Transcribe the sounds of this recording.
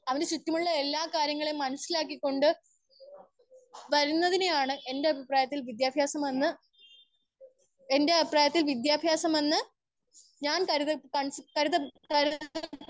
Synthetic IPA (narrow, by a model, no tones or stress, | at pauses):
ɐʋɐndesut̪ːjɐmuɭːɐe̞lːaːkaːɾjɐŋːɐɭejmːɐnɐsːilaːkːikʲːo̞ɳɖɨ | ʋɐɾunːɐðinejaːɳɨʔe̞nde̞ɐbʱipraːjɐt̪ːilʋid̪jaːbʱjaːsɐmʋɐnːɨ | ende̞ɐbʱipraːjɐt̪ːilʋid̪jaːbʱjaːsɐmɐnːɨ | ɲaːnkɐɾiðɐkɐɳskɐɾiðɐkɐɾ